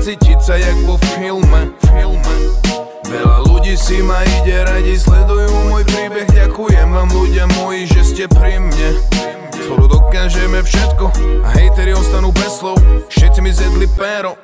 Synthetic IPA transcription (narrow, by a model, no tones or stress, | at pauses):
t͡siːcisajaɡʋɔfilmɛfilmɛ | ʋɛʎaluɟiːsimaiɟɛɾaɟislɛd̪ujuːmɔjpɾiːbɛɣɟakujɛmamluɟɪamɔjiʒɛscɛpɾimɲɛ | sɔɾud̪ɔkaːʒɛmɛfʃɛt̪kɔa̰ɦɛjt̪ɛɾiɔst̪anuːbɛslɔʊfʃɛt̪simizjɛd̪lipɛːɾɔ